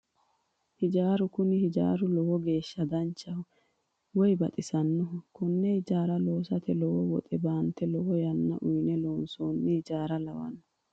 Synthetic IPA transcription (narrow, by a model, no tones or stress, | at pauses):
hɪd͡ʒaːɾʊkʊnɪhɪd͡ʒa̰ːɾʊlɔwɔɡe̞ːʃːɐd̪ɐnt͡ʃːɐhʊ | wɔjbɐt̪ʼɪsɐnːɔkʊnːɛhɪd͡ʒaːɾɐloːsɐt̪ɛlɔwɔwɔt̪ʼɛbaːnt̪ːɛlɔwɔjɐnːɐ̰ʔʊjnɛloːnsoːnːɪhɪd͡ʒaːɾɐlɐwɐ̰nːɔ